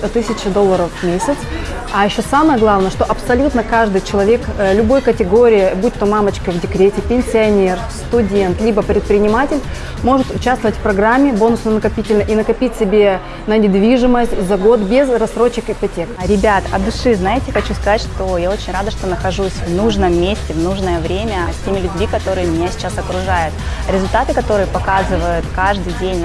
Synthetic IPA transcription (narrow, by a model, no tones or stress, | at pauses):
t̪ɨsʲɪt͡ɕɪd̪o̞lˠːəɾəfmʲesʲɪt̪s | ɐjɪɕːo̞saməjəɡlˠavnəjəʂt̪oʔɐpsɐlʲut̪nəkaʐd̪ɨjt͡ɕɪlˠɐvʲe̞klʲʊbo̞jkətʲɪɡo̞ɾʲɪjɪbut̚ʲt̪omamət͡ɕkəvdʲɪkɾʲetʲɪpʲɪnʲsʲɪɐnʲerst̪ʊdʲe̞nt̪lʲibəpɾʲɪt̪̚pɾʲɪnʲɪmatʲɪlʲ | mo̞ʐɨt̪ʊt͡ɕast̪vəvətʲfʲpɾɐɡɾamʲːɪbo̞nʊsnənəkɐpʲitʲɪlʲnəʔinəkɐpʲitʲsʲɪbʲe̞ | nənʲɪd̪vʲiʐɨməsʲtʲzɐɡo̞t̪bʲezrɐst̪ɾo̞t͡ɕːɪkɪpɐtʲe̞kɾʲɪbʲat̪ɐ̰d̪ʊʂɨznajɪtʲɪxɐt͡ɕuskɐzatʲʂt̪o̞jao̞t͡ɕɪnʲrad̪əʂt̪onəxɐʐusʲvnuʐnəmːʲesʲtʲɪvnuʐnəjəvɾʲemʲəsʲtʲemʲɪlʲʊbʲmʲikɐt̪o̞ɾɨjəmʲɪnʲasʲɪ̥t͡ɕasɐkɾʊʐajʊt̪ɾʲɪzʊlʲt̪at̪ɨkɐt̪o̞ɾɨjəpɐkazɨvəjʊt̪kaʐd̪ɨjdʲenʲ